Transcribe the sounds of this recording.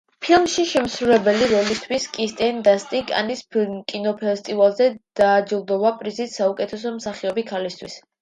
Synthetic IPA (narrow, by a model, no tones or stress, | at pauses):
pʰilˠmʃiʃɛmsɾulɛbɛliɾɔlist̪ʰwiskʼist̪ʼɛnd̪ast̪ʼikʼa̰nispʰkʼinɔpʰɛst̪ʼivalˠzɛd̪̥aːd͡ʒilˠd̪ɔvapʼɾizit̪saukʼɛt̪ʰɛsɔmsaχiɔbikʰalist̪ʰwḭs